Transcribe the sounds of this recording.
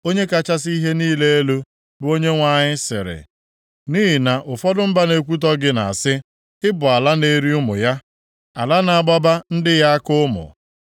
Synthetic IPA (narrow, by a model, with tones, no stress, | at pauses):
o˦ɲe˦ka˨t͡ʃa˦s̬i˦ɦe˦niː˦le˦e˦lo˦ | bʊ˦o˦ɲe˦ŋʷa˦˨ɲɪ˦sɪ̰˨ɾɪ̰˨ | niː˦ɦɪ˨na˨ʔʊ˨fɔ˦dʊ˦m̩˦ba˦ne˨kʷu˦t̬ɔ˦ɡɪ˦na̰˨sɪ˦ | ɪ˦bʊ˨a˨la˦ne˦ɾi˦ʊ˦mʊ̰˨ja˦ | a˨la˦na˨ɡ͡ba˦ba˦n̩˦dɪ˦ja˦a˦kʊ˦ʊ˦mʊ̰˨